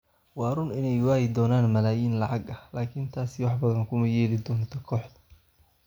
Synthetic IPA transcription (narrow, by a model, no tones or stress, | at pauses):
wɑːɾʊnɪnɛjwaːjɪd̪ɔːnaːnmɐlaːjiːnlɑʕɑɡɐhlaːkʰint̪ʰaːsɪwɑħbɐðɐnkʰʊmɐjɛːlɪd̪ɔːnt̪ʰɔkʰɔːħd̪ɐ̥